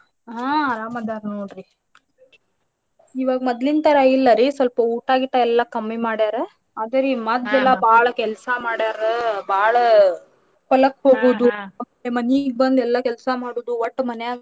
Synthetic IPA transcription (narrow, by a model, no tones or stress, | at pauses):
ɦaːɐɾaːmɐd̪aːɾnoːɽɾi | iʋaːɡɐmɔd̪lint̪ɐɾailːɐɾisʋɐlpɐuːʈaːɡit̪ːaɛlːɐkɐmːimaːɽaːɾe | aːd̪ɐɾimɐd̪ɛlːɐbʱaːɭɐkɛlsamaːɽjaːɾebʱaːɭɐ | pɐlɐkɦoːɡuːd̪uɐemɐniɡ̚bɐnd̪ɛlːɐkɛlsamaːɽoːd̪uʋɐʈːmɐnejaː